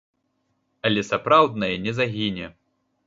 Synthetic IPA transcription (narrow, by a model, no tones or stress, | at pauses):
ɐlʲɛsapɾawd̪nɐjɛnʲɛzaɣʲinʲɛ